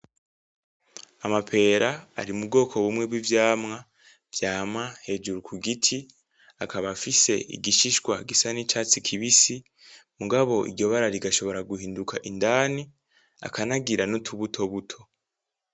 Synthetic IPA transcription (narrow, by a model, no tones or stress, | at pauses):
amapʰe̞ːɾa̰ːɾimub̚ɡo̞ːkʰo̞βumŋe̞bwivjaːmŋa | vjaːmahe̞d͡ʒuɾukʰuɡitʰi | akaβafise̞̰ʔḭɡiʃiʃɡwaɡisanit͡ʃaːt͡sikʰiβisi | muɡaβo̞ʔḭɾɟo̞βaɾaɾiɡaʃo̞βo̞ɾaɡuhiːndukʰaʔindaːni | a̰kanaɡiɾanotʰuβutʰo̞βutʰo̞̥